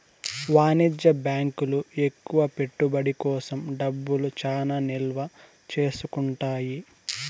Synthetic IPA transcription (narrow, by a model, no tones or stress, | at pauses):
ʋaːnid͡ʒːɐbjaːŋkulue̞kːuʋɐpe̞ʈːubɐɽikɔːsɐmɖɐbːulut͡ʃaːnaːnilʋɐ | t͡ʃe̞ːsukuɳʈaːji